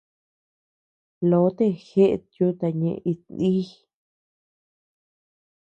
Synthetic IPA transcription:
lo˨˦t̪e˦˧xe˦ʔḛ˧t̪ju˦t̪a˧ɲẽ˧i˧ni˦

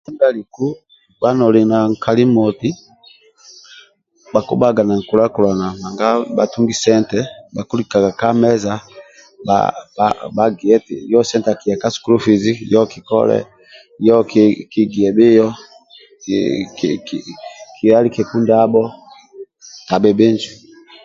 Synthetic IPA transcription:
sɛ˦nba˦li˨ku˦ | ba˦nɔ˨li˨na˨ŋ˨kʰa˨li˦mɔ˨ti˦ | ba˨kṵ˦ba˦ɡa˨na˨ŋ̩˨ku˨la˦ku˨la˨na˨ma˨ŋɡa˦ba˨tu˦ŋɡi˦sɛ˦ntɛ˦ba˨ku˦li˨ka˨ɡa˨ka˦mɛ˦za˦ | ba̰ba̰ba˨ɡi˨ɛ˦tḭ˨jɔ˦sɛ˦nta˨ki˨ja˨ka˦su̥˨ku˦lu˦fi˨zi˦jɔ˦ki˨kɔ̰˦lɛ̰˦ | jɔ˦kki˦ɡi˨ɛ˨bi˦jɔ˦ | k | kʰi˨a˦li˦kɛ˨ku˦nda˦bɔ˦ | na˨bɛ˨bɛ˦ɲd͡ʒi˨

